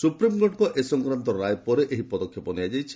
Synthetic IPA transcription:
supɾimɡɔɖkɔʔesɔŋkɾant̪ɔɾajpɔɾeʔeɦipɔd̪ɔkʰːjɔpɔnead͡ʒajt͡ʃʰi̥

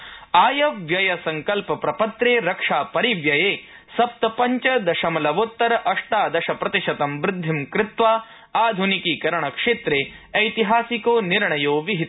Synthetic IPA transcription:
aːjɐʋjɐjɐsɐŋkɐlpɐpɾɐpɐt̪ɾeːɾɐkʂaːpɐɾiʋjɐjeː | sɐp̚t̪ɐpɐɲt͡ʃɐd̪ɐʃɐmɐlɐʋoːt̪ːɐɾɐʔɐʂʈaːd̪ɐʃɐpɾɐt̪iʃɐt̪ɐmbɾɪd̪ʱːimkɾɪt̪ʋaː | aːd̪ʱunikiːkɐɾɐɳɐkʂeːt̪ɾeː | ɐjt̪iɦaːsikoːniɾɳɐjoːʋiɦit̪

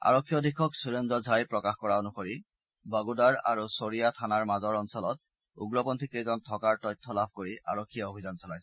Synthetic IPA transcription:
a̰ɹɔkʰːijɔdʱikʰɔksuɹendɔzʱajpɹɔkaxkɔɹaonuxoɹi | baɡudaɹa̰ɹusoɹijatʰanaɹmazɔɹɔnsɔlɔt̚ | ṵɡɹɔpɔntʰikezɔntʰɔkaɹtɔjtʰːɔlab̚ʱkoɹiʔa̰ɹokʰːijaobʱizansɔlajs

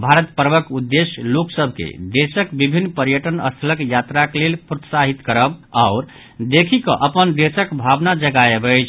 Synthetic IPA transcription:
bʱaɾət̪̚pəɾbəkud̪ːesjloksəbʱkḛd̪esəkbibʱinːpəɾjəʈənə̰st̪ʰləkjat̪ɾaklelpɾot̪saɦit̪kəɾəbaʊɾ | d̪ekʰikə̰̃ʔəpənd̪esəkbʱabnad͡ʒəɡaebəjt͡ʃʰ

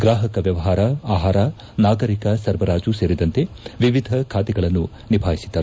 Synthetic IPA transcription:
ɡɾaːɦɐkɐʋjɐʋɐɦaːɾɐaːɦaːɾɐ | naːɡɐɾikɐsɐɾʋɐɾaːd͡ʒuseːɾid̪ɐnt̪e | ʋiʋid̪ʱɐkʰaːt̪ɛɡɐɭɐnːu | nibʱaːɦisid̪ːɐɾ

